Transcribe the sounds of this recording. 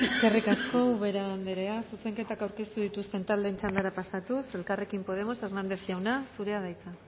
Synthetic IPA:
eskerikasko̞wuβe̞ɾand̪eɾe̞asuse̞ŋke̞t̪akawɾke̞st̪uðit̪ust̪e̞nt̪ald̪e̞ːnt͡ʃand̪aɾapasat̪use̞lkare̞kimpo̞ð̞e̞mo̞se̞rnand̪e̞sʝawnasuɾe̞aðajt͡sa

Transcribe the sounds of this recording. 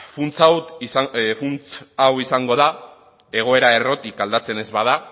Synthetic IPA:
funt͡sawsfunt͡sawisaŋɡo̞ð̞a | e̞ɣ̞o̞e̞ɾae̞ro̞t̪ikald̪at͡se̞ne̞zβaða

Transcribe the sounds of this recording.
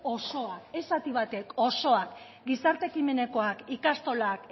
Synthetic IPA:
o̞so̞ake̞sat̪iβat̪e̞ko̞so̞ak | ɡisaɾt̪e̞kime̞ne̞ko̞akikast̪o̞lak

